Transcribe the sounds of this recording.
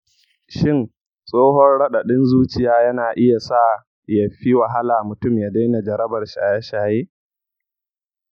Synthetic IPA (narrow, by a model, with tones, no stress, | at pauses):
ʃɪ˦n | sʼoː˦hɔ˦rɽɐ˦ɗa˨ɗɪ˦nzuː˦t͡ʃɪ˨jaː˦jɐ˦naː˨ʔɪ˦ja˨sa˦˨ | jɐ˨ɸi˦wa˨ɦa˦laː˨mʊ˨tʊ˦˨mjaː˦da˦jna˨d͡ʒɐ˨ɾɐ˦bɐ˨rʃi˨ʔa˨jaː˦ʃaː˨jeː˦